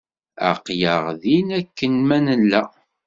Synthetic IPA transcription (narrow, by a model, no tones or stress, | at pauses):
æ̰qjəʁðinækːənmænənlæ